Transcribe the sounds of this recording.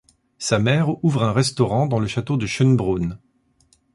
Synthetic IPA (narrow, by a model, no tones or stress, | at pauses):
samɛʁuvʁɛ̃ʁɛst̪ɔʁɑ̃d̪ɑ̃ləʃat̪od̪əʃənbʁon